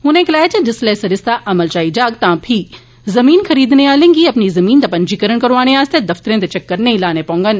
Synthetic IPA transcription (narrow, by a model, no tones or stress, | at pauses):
ɦʊnẽklaːet͡ɕɐ̃dɪsleːsɐɾɪst̪aʔɐməlt͡ʃaːid͡ʒaːɡ̚t̪aãpʰiː | zɐmiːnxɐɾiːd̪neaːlẽːŋɡiɐpnizɐmĩːnt̪ɐpɐ̃nd͡ʒikɐɾəɽ̃kɐɾʋaːñeaːst̪ed̪ɐft̪ɾẽt̪et͡ʃɐkːɐɾnelaːnepõːŋɡən